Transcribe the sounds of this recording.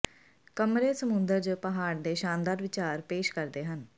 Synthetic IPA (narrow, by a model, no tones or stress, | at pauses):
kəmɾeːsəmʊnd̪əɾd͡ʒpəɦaːɽd̪eːʃãːnd̪aːɾʋɪt͡ʃaːɾpeːʃkəɾd̪eːɦən